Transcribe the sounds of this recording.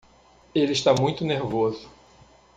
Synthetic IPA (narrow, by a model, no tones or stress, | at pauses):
elɪʃt̪amũj̃t̪ʊneɾvozʊ